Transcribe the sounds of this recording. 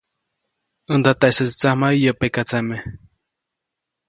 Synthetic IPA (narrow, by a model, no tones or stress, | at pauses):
ənd̪at̪aʔesət͡si̥t͡sahmaijəpekat͡same